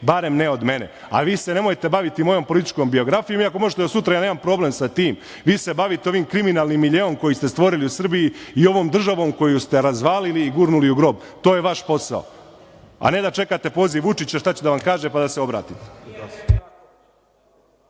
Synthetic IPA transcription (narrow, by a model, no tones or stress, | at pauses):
baɾe̞mneo̞d̪me̞ne | a̰ʋiːsene̞mo̞jt̪e̞baʋit̪imo̞jo̞mpo̞lit̪i̥t͡ʃko̞mbio̞ɡɾafijo̞miako̞mo̞ʒet̪eosut̪ɾajaːneːmampɾo̞ːble̞msat̪iːm | ʋiːse̞baʋit̪eoʋiːmkɾiminaːlˠnimːiʎeo̞mko̞jist̪e̞st̪ʋo̞ɾiliusr̩bijiio̞ʋo̞ːmd̪r̩ʒaʋo̞ːmko̞just̪e̞ɾazʋaːliliːɡuːɾnuliuɡɾo̞ːbt̪oːjeʋaʃpo̞sa̰o̰ | a̰ne̞d̪at͡ʃe̞kat̪e̞po̞ːziʋut͡ʃit͡ɕaʃt̪at͡ɕed̪aʋamkaːʒepad̪aseo̞bɾa̰ːt̪it̪e̥